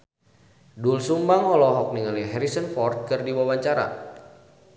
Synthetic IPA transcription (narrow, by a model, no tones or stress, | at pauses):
dulsumbaŋɔlɔɦɔk̚niŋaliɦɛɾisənfɔrt̪̚kɨrdiwawaɲt͡ʃaɾa̰